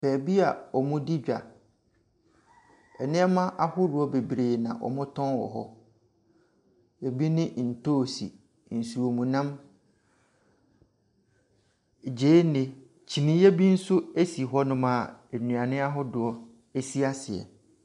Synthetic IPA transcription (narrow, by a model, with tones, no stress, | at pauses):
pʰɛː˨bi˦a˨ɔ˨mʊ̃˦di˦d͡ʑᶣa̰˨ | ɛ˨nɪ̃˦ɛ˦mã˦ʔa˦hʊ˦ɾʊ˨ɔ˦be˨bɾeː˨nã̰˨ʔɔ̰˨mʊ̃˦tʰɔ̃˦nwɔ̰˨ɦɔ̰˦ | jɛ˨bi˦nɪ̃˦n̩˨tʰoː˦˨sḭ˨ | n̩˨su˨o˨mũ˨nã˦m˨ | d͡ʑeː˦nɪ̃˨ | t͡ɕʰi˨nĩ˦jɛ˦bi˦n̩˦sʊ˦e˦si˨ɦɔ˦nʊ̃˦mã˨nũ˨a˨nɪ̃˦a˦ɦʊ˦dʊ˨ɔ˦ | e˦si˦a˦sɪ˨ɛ̰˨